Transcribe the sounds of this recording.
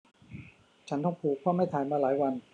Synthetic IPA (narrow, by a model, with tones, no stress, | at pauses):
t͡ɕʰa˦˥nt̪ɔ˥˩ŋpʰuː˨˩k̚ʰwaː˥˩ma˥˩jt̪ʰaː˨˦jmaː˧laː˩˦jwa˧n